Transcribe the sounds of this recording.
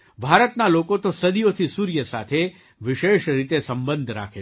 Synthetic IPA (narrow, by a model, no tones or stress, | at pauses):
bʱaːɾət̪naloːkot̪osəd̪ijot̪ʰisuːɾjəsa̰ːt̪ʰe | ʋɪʃeːʃɾit̪esɐ̃mbə̃nd̪ʱɾa̰ːkʰe